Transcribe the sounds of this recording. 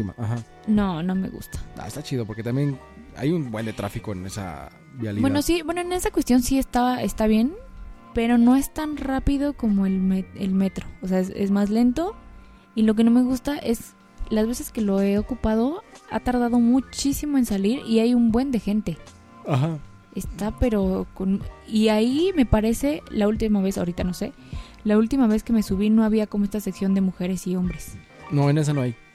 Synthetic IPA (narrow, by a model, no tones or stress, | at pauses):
ima̰ʔaxa | nono̞me̞̰ɣṵst̪ḁa̰ḛst̪at͡ʃiðopo̞ɾket̪ambjen | a̰junbwend̪et̪ɾafiko̞ḛnesa̰ | bialibwenosibwe̞no̞ene̞sakwe̞st̪jo̞nsie̞st̪aβae̞st̪aβ̞je̞npe̞ɾo̞no̞e̞st̪anrapiðo̞ko̞mo̞elmeelme̞t̪ɾoːseaesḛzmazle̞nt̪o̞ | ilo̞k̬e̞no̞me̞ɣust̪aʔe̞s | lazβe̞se̞ske̞lo̞e̞o̞kupað̞o̞a̰t̪aɾð̞aðo̞mut͡ʃisimo̞e̞nsaliɾiajumbwe̞nd̪e̞xe̞nt̪e̞ | axa | est̪ape̞ɾo̞koniaime̞paɾe̞se̞lault̪imaβ̞e̞saoɾit̪ano̞se̞̰ | lault̪imaβ̞e̞ske̞mesuβ̞ino̞aβ̞iako̞mo̞e̞st̪aseksjo̞nd̪emuxe̞ɾe̞sio̞mbɾes | noene̞s̬anoaj